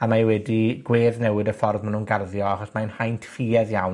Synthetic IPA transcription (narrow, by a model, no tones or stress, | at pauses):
amaɛwɛdiɡweːðnɛwɪdəfɔrðmanunɡarðjɔaχɔsmaənhajntʰfiːɛðjawn